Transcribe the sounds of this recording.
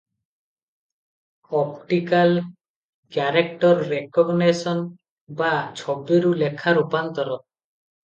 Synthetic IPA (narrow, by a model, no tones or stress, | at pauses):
ɔpʈikal | kjaɾekʈɔɾːekɔɡnesɔn | bat͡ʃʰɔbːiɾulekʰaɾupant̪ɔɾɔ